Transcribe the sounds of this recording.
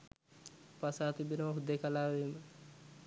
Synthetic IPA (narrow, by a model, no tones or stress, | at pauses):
pasaːt̪ibinɐɐɦud̪ekalaːʋeːmə